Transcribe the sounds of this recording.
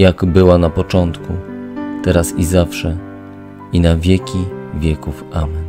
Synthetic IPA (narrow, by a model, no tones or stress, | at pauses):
jaɡbɘwanapɔt͡ʂɔnt̪kut̪ɛɾasizafʂɛ | inavʲjɛkʲivʲjɛkufʔamɛn